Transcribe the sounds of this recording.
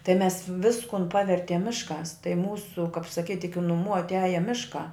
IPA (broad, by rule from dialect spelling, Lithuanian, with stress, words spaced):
tɐɪ mʲɛs ˈʋʲɪskʊn ˈpɑːʋʲɛrʲtʲiɛm ˈmʲɪʃˌkɑːs tɐɪ ˈmuːsʊ kɐp sɐˈkʲiːtʲ ɪkʲɪ nʊˈmuː ɐtʲˈæːjɛ ˈmʲɪʃkɑː